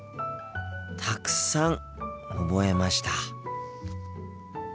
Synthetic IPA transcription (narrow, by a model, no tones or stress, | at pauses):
t̪ʰakɯ̟̥sãŋ | obo̞e̞maɕi̥t̪a